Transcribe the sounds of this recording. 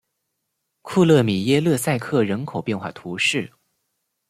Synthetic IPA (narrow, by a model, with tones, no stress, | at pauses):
kʰu˥˧lɤ˥˩mi˨˩jɛ˥˧lɤ˥˧sa˥˧ɪkʰɤ˥˩ɻə˧˥nkʰo˨˩ʊpjɛ˥˧nxwa̰˥˩t̪ʰu˧˥ʂɻ̩˥˩